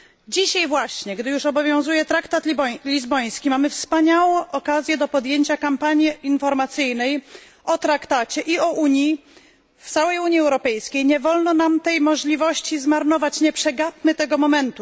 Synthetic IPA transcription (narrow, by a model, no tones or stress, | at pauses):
d͡ʑiɕajvwaɕɲɛɡd̪ɘjuʂɔbɔvʲjɔ̃w̃zujɛt̪ɾakt̪at̪ʲibɔlʲizbɔj̃skʲimamɘfspaɲawɔ̃ʔɔkazʲjɛd̪ɔpɔd̪jeɲt͡ɕakampaɲjiinfɔɾmat̪sɘjnɛj | ʔɔt̪ɾakt̪at͡ɕɛʔiɔʔuɲji | ft̪sawɛjuɲjiɛwɾɔpɛjskʲejɲɛvɔlnɔnamt̪ɛjmɔʐlʲivɔɕt͡ɕizmaɾnɔvat͡ɕɲɛpʂɛɡap̚mɘt̪ɛɡɔmɔmɛnt̪u